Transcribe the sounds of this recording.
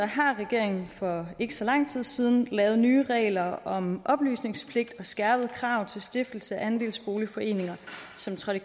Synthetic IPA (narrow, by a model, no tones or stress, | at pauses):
ɒɦɑ̈ʁɛɡ̥e̝ɐ̰e̝ŋn̩fɒ̽e̝ɡ̥əsɒ̽lɑ̈ŋ̰t͡sʰið̰ˠsiːð̞ˠn̩lɛːʊð̞̩ˠnyːʁɛ̰ːlɐɒ̽mʔɒ̽b̥ly̰ːsne̝ŋspʰle̝ɡ̥̚d̥ɒ̽sɡ̥æɐb̥ð̩ˠkʰʁɑ̈ʊt͡sʰe̝lsd̥e̝fd̥l̩səæænd̥e̝̰ːlsb̥o̝ːlifɒ̽e̝̰ːne̝ŋɐsɒ̽mt͡sʰʁɑ̈d̥i